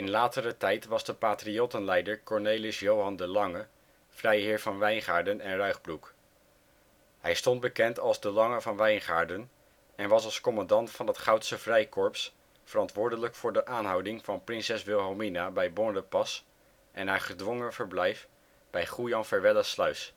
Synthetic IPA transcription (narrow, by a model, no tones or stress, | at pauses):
ɪnlaːtəɾətɛjtʋɑzdəpaːtriotənlɛjdəɹkɔɹnejlɪsjowɦɑndəlɑŋə | v̥rɛjɦɪːɹvɑnʋɛjnχaːɹdənɛnrœɥχbruk | hɛjstɔnd̚bəkɛntɑlˠzdəlɑŋəvɑnʋɛjnχaːɹdən | ɛnʋɑsɑlˠskomɑndɑntfɑnətχɑwtsəvrɛjkɔɹps | fərɑntʋʊːɹdələkfʊːɹdəʔaːnɦɑwdɪŋv̥ɑnprɪnsɛsʋɪlˠɦɛlˠminabɛjbɔɹdəpɑs | ʔɛnɦaːɹχədʋoŋəv̥əɹblɛjf | b̥ɛjχujɑnfɛɹʋɛləslœɥs